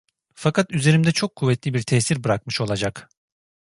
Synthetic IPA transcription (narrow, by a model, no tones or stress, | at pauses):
fakʰat̪yze̞ɾimd̪ɛt͡ʃʰo̞kʰːuvːɛt̪ʰlʲibiɾt̪ʰɛːsiɾbɯɾakmɯʃo̞lˠad͡ʒak